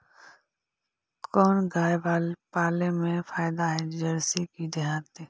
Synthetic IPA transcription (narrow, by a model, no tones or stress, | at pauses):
kɔːnɡaːjbaːlpaːlemẽfʰaːjd̪aɦɛd͡ʒɐɾsikid͡ʒɐɦaːt̪i